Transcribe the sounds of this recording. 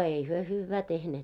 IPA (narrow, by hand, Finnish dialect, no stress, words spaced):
eˑi hyø hyːʋːæː tehneːt